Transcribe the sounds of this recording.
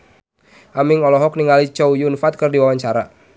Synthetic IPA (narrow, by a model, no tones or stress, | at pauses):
ʔamɪŋɔlɔɦɔk̚niŋɡalit͡ʃɔwjʊnfat̪̚kɨrdiwawaɲt͡ʃaɾa